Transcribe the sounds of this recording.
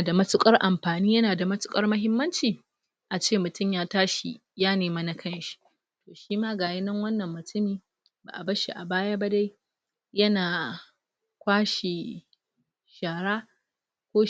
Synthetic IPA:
da˨mɐ˦tʊ˦kʼɐ˦rʔa˨mɸaː˨niː˦jɐ˦naː˨da˨mɐ˦tʊ̥˨kʼɐ˦rmɐ˦ɦɪ˦mːɐ˦nt͡ʃiː˨ | ʔa˨t͡ʃeː˦˨mʊ˨tʊ˦˨mjaː˦taː˦ʃḭ˨ | jaː˦neː˨mɐ˦na˦kʰɐ˦nʃi̥˦ | tʰoː˨ʃiː˦maː˦ɡaː˨jɪ˦nɐ˦ŋwɐ˦nːɐ˨mːʊ˨tʰʊ˦miː˨ | ba̰˨ʔa˨bɐ˦ʃi˨ʔa̰˨baː˦ja˦ba˦da˦j | jɐ˦naː˨ | kʷaː˦ʃi˨ | ʃaː˨ɽaː˦ | kʷoː˦

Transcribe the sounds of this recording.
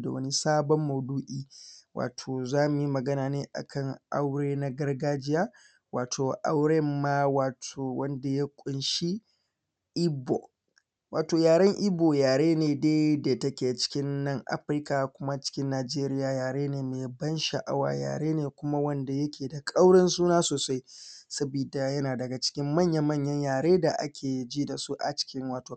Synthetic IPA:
da̰˨wɐ˦ni˦saː˦bɔ˦mːɐ˨duː˦ʔiː˦wʔa̰ː˨tʰoː˨zaː˦mʊ˨ji˦mɐ˨ɡɐ˦naː˨neː˦ʔa̰˨kʰɐ˦˨ŋʔa̰˦wɽeː˦na˦ɡɐ˦rɡaː˦d͡ʒɪ˦jaː˦ | waː˨tʰoː˨ʔa̰˦wɽɛ˦mːa˦waː˨tʰoː˨wɐ˦nda˨ja˦kʷʼʊ˨nʃi˦ | ʔɪ˦bo̰˨ | waː˨toː˨jaː˨ɽɐ˦ŋʔɪ˦boː˨jaː˨ɽeː˦neː˨deː˦deː˨tɐ˦kʲeː˨t͡ʃɪ̥˦kʲɪ˦nːɐ˦˨ŋʔa̰˦ɸɾɪ˦ka˨kʷʊ˦ma˦t͡ʃɪ̥˦kʲɪ˦nːaː˨d͡ʒeː˦ɾɪ˦jaː˨jaː˨ɾeː˦neː˨meː˨bɐ˦nʃa̰˨ʔa̰˦wa̰ː˨ja̰ː˨ɽeː˦neː˨kʷʊ˦ma˦wɐ˦nda˨jɐ˦kʲʰeː˨da˨kʼa˦wɽɪ˦nsuː˦naː˦soː˨sa˦jsɐ˦biː˨da˨jɐ˦naː˨dɐ˨ɡa˨t͡ʃɪ̥˦kʲɪ˦mːɐ˦˨ɲjɐ˦mɐ˦˨ɲjɐ˦ɲjaː˨ɽeː˦da˨ʔa̰˦kʲʰeː˨d͡ʒiː˦da˨su˦ʔa̰˨t͡ʃɪ̥˦kʲɪ˦ŋwaː˨toː˨

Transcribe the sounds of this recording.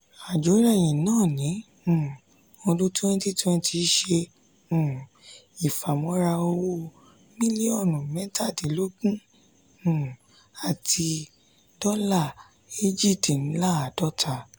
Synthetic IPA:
a˨d͡ʒo˨˦ɾa˦˨j̃ĩ˨nãː˦˨nĩ˨˦˨ | ɔ̃˧dũ˦tɛ̃˦n˦ti˦˨twɛ̃˧n˦ti˧˦ʃẽ˧˨ | i˨fa˨mɔ̃˨˦ɾa˧o˧wo˦˨ | mĩ˦li˦ɔ˦˨nũ˨mɛ̃˨˦ta˦˨di˨˦lo˦ɡũ˦˨ | a˨tʰi˧ | dɔ˦la˦˨ | i˦d͡ʒi˦˨ti˨ñ̩˨˦la˦a˨dɔ˦tʰa˧˨

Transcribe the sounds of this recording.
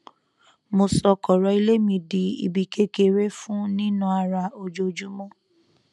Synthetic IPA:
mo˧sɔ˧kɔ˨ɾɔ˧˦i˦le˦mĩ˧di˨˦ḭ˨bi˧˨ke˦ke˧ɾe˦fũ˦nĩ˦nũ˦a˧ɾa˧o˧d͡ʒo˧d͡ʒu˦mɔ̃˦

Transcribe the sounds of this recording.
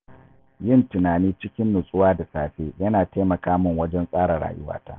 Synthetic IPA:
jɪ˦˨ntɪ˨naː˨niː˦t͡ʃɪ˦kʲɪ˦nːʊ˨sʼʊ˦waː˦da˨saː˨ɸeː˦jɐ˦naː˨teː˦mɐ˨kaː˦mʊ˦˨ŋwɐ˦d͡ʒɛ˦nsʼaː˦ɾa˨ɽa̰ː˨jʊ̰˦wa̰ː˦ta̰ː˦ʔ

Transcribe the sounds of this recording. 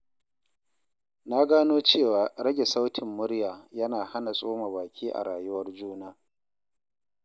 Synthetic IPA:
naː˦ɡaː˦noː˦t͡ʃeː˦˨waː˨ɾɐ˦ɡʲe˨sa˦wtʰɪ˨mːʊ˦ɽjaː˨jɐ˦naː˨ha˦na˨sʼoː˦ma˨baː˨kʲʰiː˦ʔa̰˨ɽaː˨jʊ˦wɐ˦rd͡ʒuː˦naː˦

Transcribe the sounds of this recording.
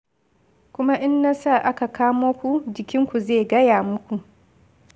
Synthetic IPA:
kʷʊ˦ma˦ʔɪ˦nːaː˦sa˦˨ʔa˦ka˨kʰaː˦moː˦kʷu˨d͡ʒɪ˨kʲɪ˦ŋkʷu˨zeː˦˨ɡɐ˦jaː˨mʊ˦kʷu˨ʔ

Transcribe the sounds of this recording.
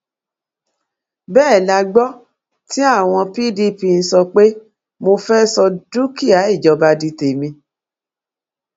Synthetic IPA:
bɛː˦˨la˧ɡ͡bɔ˦ | ti˦a˦˨w̃ɔ̃˧pi˦di˦pi˧n̩˧˦sɔ˧k͡pe˦ | mo˧fɛ˦sɔ˧du˦ki˦˨a˨˦i˦˨d͡ʒɔ˧ba˧di˧te˨mĩ˧

